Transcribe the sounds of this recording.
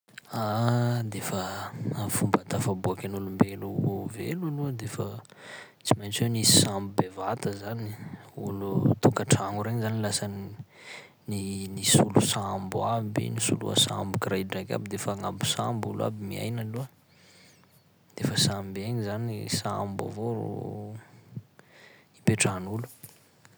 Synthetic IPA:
ad̪efəafumbat̪afabuakʲanulumbeluvḛlalud̪efə | t͡simajnt͡swewnisi̥sambubevat̪əzaniṵlut̪ukaʈ͡ʂaŋuɾeɲzanilasan | ninisulusambuabḭnisṵlṵa̰sambukrajɖ͡ʐakʲa̰bid̪efaŋambu̥sambulua̰bimia̰jnaluə | d̪̥efəsambeɲizanisamba̰vor̰ṵ | ipeʈ͡ʂanulu̥

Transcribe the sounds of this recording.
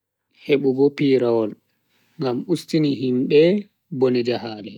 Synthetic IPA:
heɓuɡɔpiːɾawɔl | ŋɡamustiniɦimɓɛ | bonid͡ʒahaːlɛ

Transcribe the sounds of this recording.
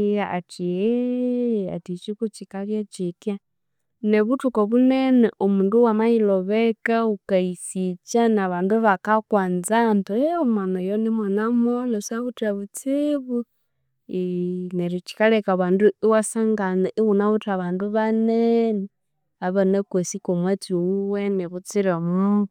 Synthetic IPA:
aatʰiɛ | a̰tit͡ʃikut͡ʃikaβjat͡ʃikia | nɛβutukɔβunɛnɛʔomuːnduwamailɔβɛkaukaisit͡ʃanaβaːnduβakakwaːnd͡zantuɛomanɔjɔnimanamɔlɔsaβutaβut͡siβu | ineɾit͡ʃi̥kalekaβaːnduiwasaŋɡanaʔiwunaβutaβaːnduβanenɛ | aβɔnekwesikomwet͡siuwenɛβut͡siɾeomu

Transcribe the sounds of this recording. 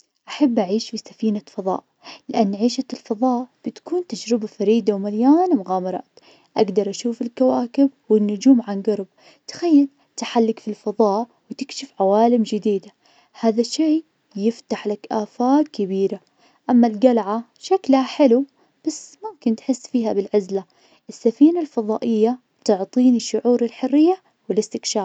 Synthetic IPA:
ʔaħabːʔaʕiːʃfisafiːnafɑðˤɑ̰ːʔ | lɪʔanːʕiːʃalfɑðˤɑːʔb̥ɪt̪kuːnt̪ad͡ʒɾɪbafaɾiːd̪awmaljaːnmʊɣaːmɑɾˤɑ̰ːt̪ | ʔaɡd̪ɑɾˤʔaʃuːfɪlkawaːkɪbwɪnːʊd͡ʒuːmʕanɡɑɾˤb̚ | t̪xajːal | t̪aħalːɪkfilfɑðˤɑːʔ | wɪt̪ɪkʃɪfʕawaːlɪmd͡ʒɪd̪iːd̪a | haːðaʃeː | jɪft̪aħlakʔaːfaːt̪̚kɪbiːɾa | ʔamːalɡalʕa | ʃaklhaħɪlu | b̥asmamkɪnt̪ħɪsːfiːhabɪlʕazla | ʔɪsːafiːnalfɑðˤɑ̰ːʔɪjːa | t̪ʊʕt̪ˤiːnɪʃːʊʕuːɾɪlħʊrːɪjːa | wɪlɪst̪ɪkʃaːɾ

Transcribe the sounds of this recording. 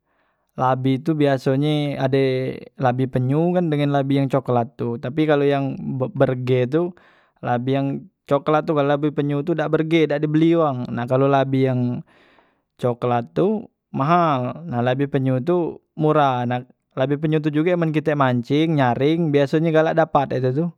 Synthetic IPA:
labit̪ubiasoɲɛadelabipəɲukandəŋanlabijaŋt͡ʃoklat̪ːut̪apikalojaŋbbərɡɛt̪̬u | labijaŋt͡ʃoklat̪ːukalolabipəɲut̪udaʔbərɡɛdaʔdibəliwaŋnahkalolabijaŋ | t͡ʃoklat̪ːu | maɦalnahlabipəɲut̪̬umuɾanah | labipəɲut̪̬ud͡ʒuɡaimank̬it̪ɛmaɲt͡ʃɪŋɲaɾɪŋbiasoɲɛɡalaʔdapat̪it̪̬ut̪ʊ

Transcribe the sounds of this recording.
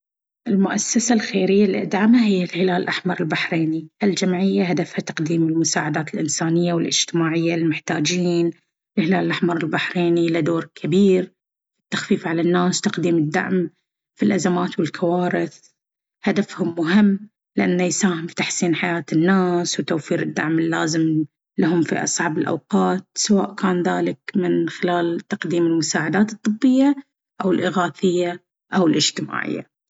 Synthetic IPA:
ʔɪlmʊʔasːasalxeːɾɪjːalʔa̰d̪ʕamaɦɪjːɪlhɪlaːlʔaħmɑɾˤɪlbaħɾeːniʔɪld͡ʒamʕɪjːaɦad̪afhat̪ḁqd̪iːmɪlmʊsaːʕad̪aːt̪ɪlʔɪnsaːnɪjːawɪlʔɪ̰d͡ʒ̥t̪ɪmaːʕɪjːalmʊħt̪aːd͡ʒiːn | ɪlhɪlaːllʔaħmɑɾˤɪlbaħɾeːnilad̪oːɾkʰabiːɾ | fi̥t̪ːḁxfiːfʕalanːaːst̪aqd̪iːmɪd̪ːa̰ʕm | filʔazamaːt̪wɪlkʰawaːɾɪθ | had̪afhʊmːʊɦɪmː | lɪʔanːajsaːhɪmfi̥t̪aħsiːnħajaːt̪ɪnːaːswt̪awfiːɾɪd̪ːa̰ʕmɪlːaːzɪm | laɦʊmfḭʔɑ̰sˤʕɑbɪlʔa̰wqɑːt̪̚sawaːʔkaːnðaːlɪkmɪnxɪlaːlt̪aqd̪iːmɪlmʊsaːʕad̪aːt̪ɨt̪ˤːɨbːɪjːa | ʔawɪlʔɪɣaːθɪjːa | ʔawɪlʔɪd͡ʒt̪ɪma̰ːʕɪ̰jːa̰

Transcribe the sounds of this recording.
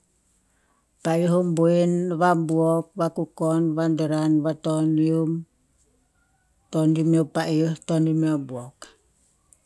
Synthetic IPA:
paiuɦumbuinβambuok̚βakukonβandəɾanβatonium | tondimopaʔiuhtonimiobuok

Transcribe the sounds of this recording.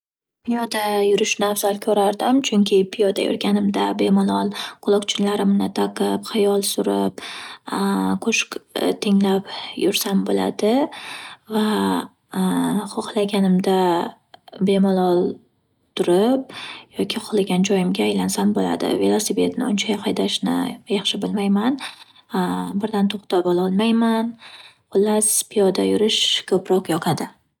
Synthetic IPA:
pʰijɒd̪ajʊɾɪʃnɪavz̥alˠkʲʰɵɾaɾd̪ɪmt͡ʃʰʊŋkʲʰɪpʰijɒd̪a̰jʊ̰ɾɡʲanɪmd̪abe̞mɒlˠɒlˠqʰʊlˠɒqt͡ʃʰɪnlaɾɪmnɪt̪ʰaqʰɨpχɨjɒlˠsʊɾɪp | qʰoʃkt̪ʰɪŋlapjʊɾsanbola̰d̪ɪ | va | χoχlˠaɡʲanɪmd̪a | be̞mɒlˠɒlˠ | t̪ʰʊɾɪp̚jɒkʲʰɪqʰʊlˠɪɡʲand͡ʒɒjɪmɡʲaːjlansambola̰d̪ɪ̰ve̞lˠosipe̞t̪nɪ̰ʊnt͡ʃʰajahajd̪aʃnɪ̰jɑχʃɪbɪlmajman | bɪɾd̪ant̪ʰoχt̪ʰapɒlˠɒlˠmajman | ʊlːaspʰɪjɒd̪a̰jʊɾɪʃkʰɵpɾɒqjɒqʰad̪ɪ

